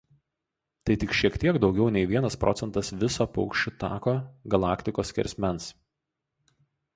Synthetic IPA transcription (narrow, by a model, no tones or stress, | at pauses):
t̪ɐɪt̪ʲɪkʃʲiɛkt̪ʲiɛɡd̪ɒʊɡʲɛʊnʲɛɪʋʲiɛnɐspɾʔɔ̰t̪sʲɛnt̪ɐsʋʲɪsoːpɔʊkʃʲt͡ʃʲʊt̪ɑ̰ːkoːɡɐlˠɑːkt̪ʲɪkoːskʲɛ̰ɾʲsʲmʲɛns